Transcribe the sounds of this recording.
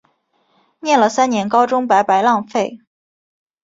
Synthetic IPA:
njɛ˥˩nlə˩sa˥nnjɛ˧˥nkɑ˥ʊʈ͡ʂʊ˥ŋpa˧˥ɪpa˧˥ɪlɑ˥˧ŋfe˥˩ɪ

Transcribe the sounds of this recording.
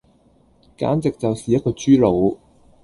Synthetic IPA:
ka̰ː˨˥nt͡sɪ˨k̚t͡sɐ˨wsiː˨jɐ˥t̚kɔː˧t͡ʃyː˥lo˨˧w

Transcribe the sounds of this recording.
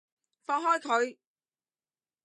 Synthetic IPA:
fɔː˧ŋɦɔː˥jkʰɵ˨˧ɥ

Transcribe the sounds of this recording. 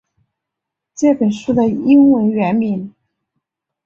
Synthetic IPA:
t͡ɕjɛ˥˩pə˨˩nʂu˥˩d̪ə˨i˥ŋwə˧˥nɥɛ˧˥nmi˨˩˦n

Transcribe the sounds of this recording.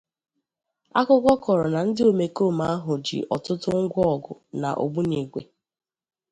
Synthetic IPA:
a˦kʊ˦ɡɔ˦kɔ˨ɾɔ˨na˨n̩˦dɪ˦o˨me˨ko˦˨ma˦a˦ɦʊ˨d͡ʒḭ˨ʔɔ˨tʊ˦tʊ˦ŋ̩˦ɡʷɔ˦˨ɡʊ̰˨na̰˨ʔo̰˨bu˦ɲe˨ɡʷḛ˨

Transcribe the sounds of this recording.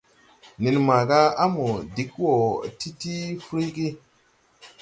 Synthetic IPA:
ni˨nma˨ɡa˦a˦mu˨di˨˦kwo˨ti˦ti˦fɾi˦ɡi˦

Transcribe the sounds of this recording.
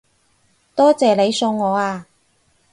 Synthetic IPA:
t̪ɔː˥t͡sɛː˨le˨˧jso˧wːɔː˨˧aː˧

